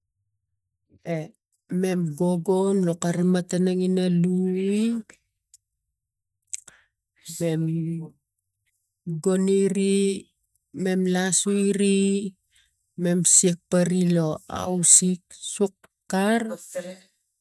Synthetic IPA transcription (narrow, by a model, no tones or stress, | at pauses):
e | me̞mɡo̞ɡo̞nlokaɾimatanaŋinalui | me̞m | ɡo̞niɾi | me̞mlasuiɾi | me̞msiek̚paɾilo̞a̰wsiksukː | aɾ